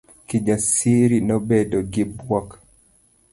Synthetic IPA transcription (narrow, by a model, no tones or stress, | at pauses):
kid͡ʒasiɾinobedoɡɪbwak